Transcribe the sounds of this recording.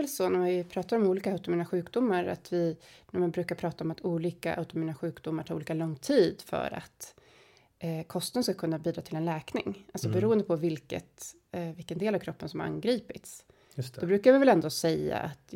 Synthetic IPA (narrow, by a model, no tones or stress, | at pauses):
ɛlsɔnæɾvɪpʰɾɑːt̪aɾɔmuːliːkaaʉt̪ʊmiːnaɧʉ̟ːkd̪ʊmːaɾa̰t̪ʰvɪnæɾmanbɾʉ̟ːkaɾpʰɾɑːt̪aɔmat̪ʰuːliːka̰ʔa̰ʊt̪ʊmiːnaɧʉ̟ːkd̪ʊmːaɾʈʰɑːɾuːliːkalɔŋːt̪ʰiːd̪fœ̰ɾa̰t̪ | kʰɔst̪ənskakʰɵnːabiːd̪ɾɑːt̪ʰɪlɛnlɛːknɪ̰ŋʔalsɔbɛɾuːənd̪əpʰɔvɪlkə̰t̪ | vɪlkənd̪eːlavkʰɾɔpːənsɔmhaɾa̰ŋɡɾiːpɪt̪s | d̪ɔbɾʉ̟ːkaɾvɪvɛlɛnd̪osɛja̰ʔat̪